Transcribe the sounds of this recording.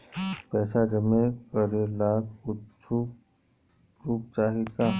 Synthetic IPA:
pɛːsad͡ʒəmẽkəɾelaːkʊtt͡ʃʰu | ɾuːp̚t͡ʃaːɦikaː

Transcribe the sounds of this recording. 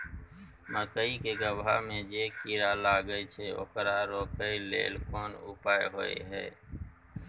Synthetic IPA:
məkəikeɡəbʱamẽd͡ʒeːkiɾalaːɡəit͡ʃʰeo̰ːkɾaɾoːkəilḛːlkoːnʊ̰paːeɦoḛɦɛ̰ː

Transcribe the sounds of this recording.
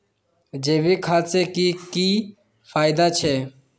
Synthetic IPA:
d͡ʒeːbiːkʰaːseːkiːkiː | fʰaːɪd̪aːt͡ʃʰeː

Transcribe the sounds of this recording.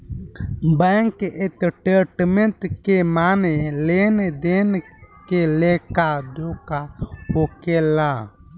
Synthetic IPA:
bɛŋkɪt̪ʈeʈmẽnt̪kemaːneleːned̪eːnkelekad̪oːkaɦokelaː

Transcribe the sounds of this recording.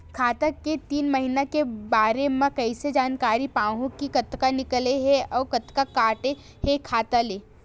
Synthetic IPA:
kʰaːt̪aket̪iːnmɐɦinakebaːɾemẽkɐɪsed͡ʒaːnkaːɾipãːɦũkikɐt̪kanɪkleɦeɔːɾkɐt̪kakaːʈe | hekʰaːt̪aleː

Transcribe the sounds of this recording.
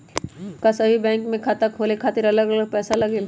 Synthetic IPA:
kasɐbʱibɛ̃ːŋkmẽkʰaːt̪akʰoːlekʰaːt̪ɪɾɐləɡɐləɡ̚pɛːsalɐɡeːl

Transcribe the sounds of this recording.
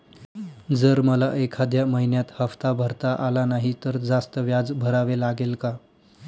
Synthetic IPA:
d͡zəɾməlaʔekʰad̪jaməɦinjat̪həft̪abʱəɾt̪aʔalanaɦit̪əɾd͡zast̪əʋjad͡zbʱəɾaʋelaɡelka

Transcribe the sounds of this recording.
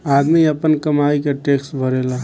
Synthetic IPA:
aːd̪miɐpənkəmaːikeʈeːksbʱəɾeːla

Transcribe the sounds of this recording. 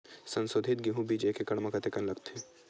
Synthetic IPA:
sɐ̃nsoːd̪ʱɪt̪ɡiɦũbid͡ʒekekɐɽmɐkɐt̪ekɐnlɐɡt̪ʰi

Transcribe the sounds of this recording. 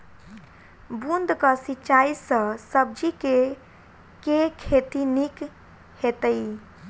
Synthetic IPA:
bund̪kəsit͡ʃaisə̃səb̚d͡ʒike | kekʰet̪inik | het̪əj

